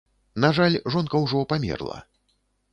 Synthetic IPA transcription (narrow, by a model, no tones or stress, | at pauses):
naʐalʲʐɔnkɐwʐɔpamʲɛ̰rlˠɐ̰